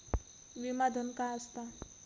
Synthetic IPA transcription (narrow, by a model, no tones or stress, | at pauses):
ʋimad̪ʱənkaəst̪a